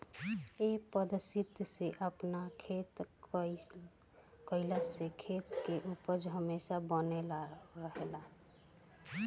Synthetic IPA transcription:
epəd̪əsit̪seʔəpnakʰet̪ | kəɪlasekʰet̪keʔupəɾd͡ʒɦəmesabənelaɾəɦela

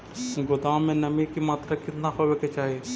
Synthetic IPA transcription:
ɡʊd̪ãːmẽnɐmĩkimaːt̪ɾakɪt̪nahoʋeket͡ʃaːɦie

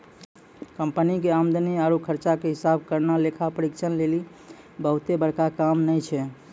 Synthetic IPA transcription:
kəmpənikeamd̪əniaɾukʰəɾt͡ʃakeɦɪsab̚kəɾnalekʰapəɾikt͡ʃʰənleli | bəɦut̪ebəɾkakamnəjt͡ʃʰɛ

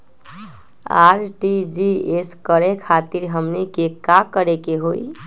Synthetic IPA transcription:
a̰ɾʈid͡ʒieskəɾekʰat̪iɾɦəmnikekakəɾekeɦoi

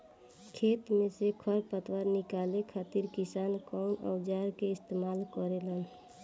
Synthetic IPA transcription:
kʰeːt̪mẽsekʰəɾpət̪ʋəɾnikalekʰaːt̪iɾkisaːnkɔʊnə̰wd͡ʒaːɾkeɪst̪emaːlkɔɾelən

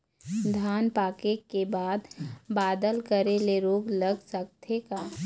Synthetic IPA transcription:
d̪ʱaːnpaːkekebaːd̪baːd̪əlkəɾeleɾoːɡləɡsək̚t̪ʰekaː

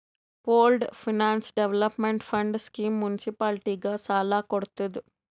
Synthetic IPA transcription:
poːlɖpʰinaːnsɖeʋlɐpmeɳʈpʰɐɳɖskiːmːunisipaːlʈiːɡaːt͡ʃaːlaːkoɽut̪und̪i

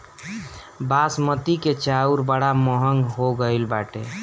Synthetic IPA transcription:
basmət̪iket͡ʃauɾbəɽaməɦəŋɡɦoɡəilbaʈḛ

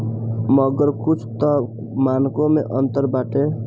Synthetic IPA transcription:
məɡəɾkut͡ʃʰt̪ɔ | mankomeʔənt̪əɾbaʈe

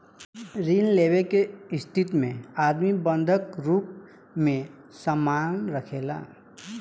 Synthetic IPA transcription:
ɾinlebekeɪst̪ʰit̪mẽaːd̪mibənd̪ʱəkɾuːp̚ | mẽ | səmaːnɾəkʰela̰ː

